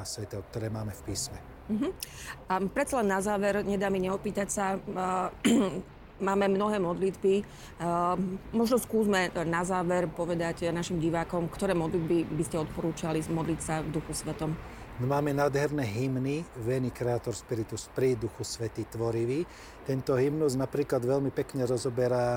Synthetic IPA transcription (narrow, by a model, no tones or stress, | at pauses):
asʋɛt̪ɛɔk̚t̪ɔɾɛːmaːmɛfpiːsmɛ | m̩ɦ̩ | pɾɛt̪t͡salɛnːazaːʋɛɾɲɛd̪aːmiɲɛɔpiːt̪acsa | maːmɛmnɔɦɛːmɔd̪lid̪bi | mɔʒnɔskuːzmɛnazaːʋɛɾpɔʋɛd̪aɟnaʃimɟiʋaːkɔmkt̪ɔɾɛːmɔd̪lid̪bibiscɛɔt̪̚pɔɾuːt͡ʃalimɔd̪lit̪savd̪uxusʋɛt̪ɔm | nmaːmɛnaːd̪ɦɛɾnɛɦimniʋɛnikɾɛaːt̪ɔɾspiɾit̪uspɾid̪uxusʋɛt̪iːt̪ʋɔɾiʋiː | t̪ɛnt̪ɔɦimnuznapɾiːklad̪ʋɛʎmipɛkɲɛɾɔzɔbɛɾa